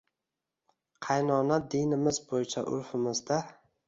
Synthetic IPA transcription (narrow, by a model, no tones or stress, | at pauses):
qʰɑjnɒnad̪enɪmɪzbojɪt͡ʃʰaʔʊ̰ɾfɪmɪzd̪a